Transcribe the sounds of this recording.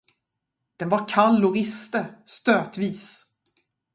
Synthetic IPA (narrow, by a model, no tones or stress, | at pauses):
d̪̥ɛnvaɾkʰalːʊɾɪst̪əst̪øːt̪viːs